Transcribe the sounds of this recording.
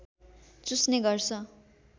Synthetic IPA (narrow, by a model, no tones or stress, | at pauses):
t͡susneɡʌrt͡sʰʌ